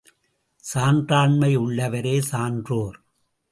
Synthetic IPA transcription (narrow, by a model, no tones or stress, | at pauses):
saːndraːɳmɐɪʊɭːɐʋɐɾeːsaːndroːɾ